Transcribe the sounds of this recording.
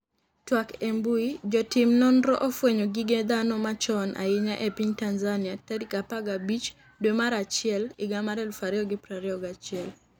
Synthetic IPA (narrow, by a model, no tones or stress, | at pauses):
twakembuid͡ʒɔtɪmnɔndɾɔʔofweɲoɡiɡed̪anɔmat͡ʃɔnʔa̰ɪɲaʔɛpiɲtanzanɪatɛdikapaɡabit͡ʃ | dwemaɾat͡ʃɪɛlɪɡamaɾɛlfaɾjɔɡɪpɾaɾjɔɡat͡ʃɪɛl